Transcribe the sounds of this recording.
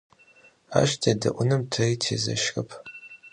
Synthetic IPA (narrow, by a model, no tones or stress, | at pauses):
a̰ʃtʰadɨʔʷʊnɨmtʰɐitʰezɐ̰ʃkʼɨpʰ